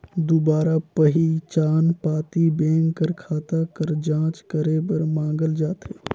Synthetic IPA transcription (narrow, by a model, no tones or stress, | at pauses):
d̪ubaːɾapəɦit͡ʃaːnpaːt̪ibẽːŋɡkəɾkʰaːt̪akəɾd͡ʒãːt͡ʃkəɾebəɾmãːŋɡəld͡ʒaːt̪ɦeː